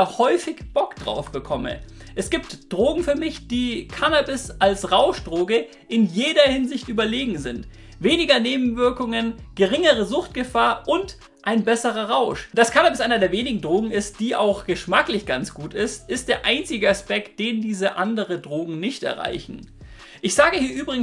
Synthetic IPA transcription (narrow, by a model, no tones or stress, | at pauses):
hɔʏfɪçb̥ɔkd̥ʁa̰ʊfb̥əkʰɔmə̰ | ʔɛsɡ̥iːptd̥ʁoːɡŋ̩fyːɐmɪçd̥iːkʰanabɪsalsʁaʊʃd̥ʁoːɡə | ʔɪnjeːdɐhɪnzɪçtʔyːbɐleːɡŋ̩zɪnt | veːnɪɡɐneːbm̩vɪɐkʊŋənɡ̥əʁɪŋəʁəzʊxt̚ɡ̥əfaːɐʔʊnt | ʔaɪnbɛsəʁɐʁaʊʃd̥askʰanaːbɪsʔaɪnɐdeːɐveːnɪɡŋ̩dʁoːɡŋ̩ɪst̚d̥iːʔa̰ʊxɡ̥əʃmaklɪçɡ̥ant͡sɡ̥uːtɪstʔɪst̚d̥eːɐʔaɪnt͡sɪɡəaspɛk̚t̚d̥eːndiːzəʔandəʁədʁoːɡŋ̩nɪçtɛ̰ɐʁa̰ɪçn̩ | ʔɪçz̥aːɡəhiːɐʔyːbʁɪŋ̩